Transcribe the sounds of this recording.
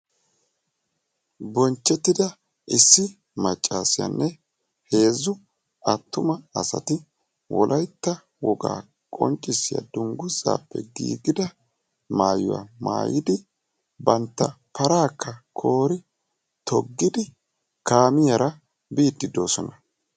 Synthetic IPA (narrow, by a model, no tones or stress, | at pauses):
bɔnt͡ʃːɛt̪ːɪd̪ɐ | ʔɪsːɪ | mɐt͡ʃʼːaːsɪja̰nːʔɛ | he̞ːzːʊ | ʔɐt̪ːʊmɐːsɐ̰t̪ɪ | wɔ̰lʔɐjt̪ːɐ | wɔɡa̰ː | kʼɔ̰nt͡ʃʼːɪsːɪjɐ̰d̪ʊŋɡʊza̰ːpːɛ̰ɡḭːɡɪd̪ɐ | maːjʊ̰wa̰ma̰ːjɪd̪ɪ | bɐnt̪ːɐ | pɐɾaːkʰːɐkʰo̞ːɾɪ | t̪ʰɔɡːɪd̪ɪ | kaːmɪjɐɾɐ | biːd̪ːɪd̪o̞ːsɔnɐ